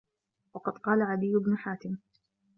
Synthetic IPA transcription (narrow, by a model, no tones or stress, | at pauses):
wɑqɑd̪qɑːlaʕad̪ɪjːʊbnʊħaːt̪ɪm